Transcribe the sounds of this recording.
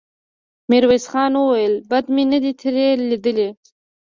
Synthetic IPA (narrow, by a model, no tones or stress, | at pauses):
miɾwesxɑːnwəwajəlbad̪minəd̪it̪ʰiɾelid̪əle